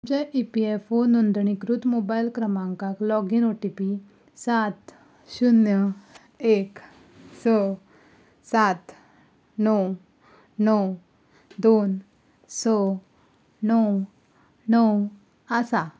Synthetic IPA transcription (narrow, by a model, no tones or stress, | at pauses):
mt͡ɕaʔipiefonund̪ɳikɾut̪mobajlkɾəmãŋkaklɔɡinoʈipi | sat̪ | ɕunjə | ek | sɔ | sat̪ | nɔ | nɔw | d̪on | sɔ | nɔw | nɔw | asa